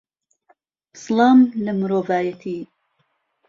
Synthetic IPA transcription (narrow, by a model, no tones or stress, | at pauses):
slˠɑːmləmɨɾoːvaːjɐt̪ʰiː